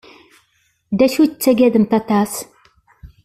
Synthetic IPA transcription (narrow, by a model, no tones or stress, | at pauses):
d̪æʃuət͡sːæɡæðəmt̪ɑt̪ɑs